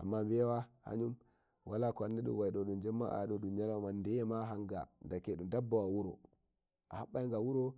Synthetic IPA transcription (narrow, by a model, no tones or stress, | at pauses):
ʔa̰mːambiɛwaha̰ɲum | walakɔanːɛɗṵwajɗɔɗund͡ʒɛmːa̰a̰ɗɔɗumɲalawmandɛjɛmaɦaŋɡa̰ndakeɗumdabːawawuɾɔ̰ | ʔahaɓːajŋɡawuɾo